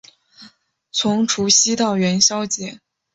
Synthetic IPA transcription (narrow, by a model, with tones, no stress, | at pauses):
t͡sʰʊ˧˥ŋʈ͡ʂʰu˧˥ɕi˥t̪ɑ˥˩ʊɥɛ˧˥nɕjɑ˥ʊt͡ɕjɛ˧˥˦